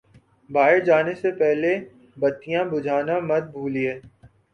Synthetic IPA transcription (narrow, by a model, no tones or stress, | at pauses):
baːɪɾd͡ʒaːnesepɛɦle | bɐt̪ːijãbʊd͡ʒʱaːnamɐd̪̚bʱuːlieː